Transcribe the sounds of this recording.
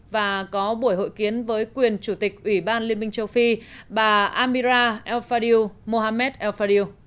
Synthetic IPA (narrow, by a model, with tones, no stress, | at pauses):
vaː˨˩kɔ˨˦ɓu˧˩əjɦo̰˧˨jki˨˦ənvəː˨˦jkwi˨˩ənt͡ɕu˧˩t̪ï˨˩k̚ʔwi˧˩ɓaː˧nli˧əmï˧ŋ̟t͡ɕə˧wfi˧ɓaː˨˩ʔaː˧mi˧zaː˧ʔɛ˧wfaː˧ɗi˧mo˧ɦaː˧mɛ˦˥t̚ʔɛ˧wfaː˧ɗi˧